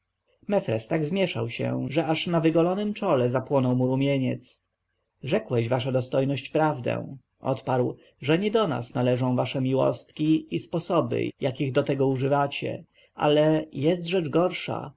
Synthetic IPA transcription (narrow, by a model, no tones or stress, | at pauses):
mɛfɾɛst̪aɡzmʲjɛʂa̰wɕɛ̰ʐɛaʂnavɘɡɔlɔnɘmt͡ʂɔlɛzapwɔnɔwmuɾumʲjeɲɛt̪s | ʐɛkwɛʑvaʂad̪ɔst̪ɔjnɔɕt͡ɕpɾavd̪ɛ̰̃ | ʔɔ̰t̪paɾw | ʐɛɲɛd̪ɔna̰snalɛʐɔ̃w̃vaʂɛmʲiwɔ̰st̪kʲiispɔsɔbɘ̰jʔakʲiɣd̪ɔt̪ɛɡɔuʐɘvat͡ɕɛ̰ | ʔa̰lɛjɛst̪ʐɛd͡ʐɡɔɾʂa̰